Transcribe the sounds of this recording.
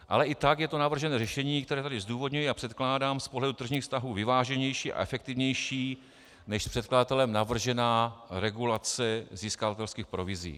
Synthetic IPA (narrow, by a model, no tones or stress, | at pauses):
ʔa̰lɛʔɪt̪akjɛt̪o̞navr̩ʒɛnɛːrɛʃɛɲiːk̚t̪ɛɾɛːt̪adɪzduːvo̞dɲujiapr̥ɛt̪klaːdaːmspoɦlɛdut̪r̩ʒɲiːxfst̪aɦuːvɪvaːʒɛɲɛjʃiːʔa̰ʔɛfɛk̚t̪ɪvɲɛjʃiː | nɛʃspr̥ɛt̪kladat̪ɛlɛmnavr̩ʒɛnaːɾɛɡulat͡sɛziːskavat̪ɛlskiːxpɾovɪzḭː